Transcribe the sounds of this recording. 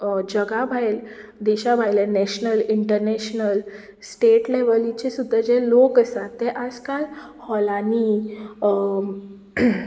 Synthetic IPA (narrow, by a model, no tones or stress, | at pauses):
d͡ʑəɡabʱajld̪eɕabʱajlɛnɛɕnəliɳʈəɾnɛɕnəl | sʈeʈleʋəlit͡ɕesud̪ʱːəd͡ʑelokəst̪at̪ːeʔad͡zkalhɔlani